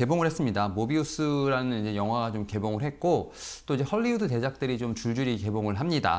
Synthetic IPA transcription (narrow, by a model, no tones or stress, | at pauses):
ke̞boŋɯɭhes͈ɯmɲidamobius͈ʰɯɾanɯnid͡ʑe̞jʌŋɦwaɡat͡ɕomke̞boŋɯɭɦe̞t̚k͈ot͈oid͡ʑe̞hʌʎːiudute̞d͡ʑak̚t͈ɯɾit͡ɕomt͡ɕuɭd͡ʑuɾike̞boŋɯɭɦamɲida̰